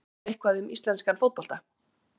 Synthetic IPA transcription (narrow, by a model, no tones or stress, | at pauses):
ehkvaðʏmist̪lɛnskanfowt̪̚pɔl̥t̪a